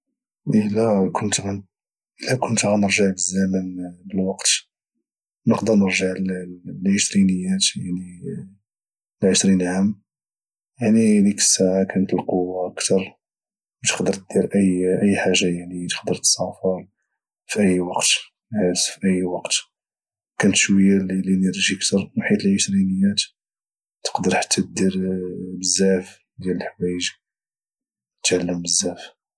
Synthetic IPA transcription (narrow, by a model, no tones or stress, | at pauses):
ʔəlːækʰʊnt̪æ | ʔəlːækʊnt̪ɣanəɾʒəʕbəzːæmənbəlwɑqt̪ | nəqd̪əɾnəɾʒəʕllʕəʃɾinəjːæt̪jaʕni | lʕəʃɾinʕamː | jaʕnilikə̥sːaʕakænət̪əlquwaʔəkt̪ɑɾˤ | wət̪ə̥xd̪əɾt̪̚d̪̥iɾʔəjʔəjːħaʒːajaʕnit̪ə̥qd̪əɾt̪sɑfəɾˤ | fiʔəjːwɑqt̪ | ʕæsfiʔəjːwɑqt̪ | kænət̪ʃwəjːalilinəɾiʒiəkt̪ɑɾˤnħit̪əlʕəʃɾinəjːæt̪ | t̪ə̥qd̪əɾˤħḁt̪ːæt̪̚d̪iɾbəzːæf | d̪jæləlħwæjəʒ | t̪ʕalːəmbəzːæf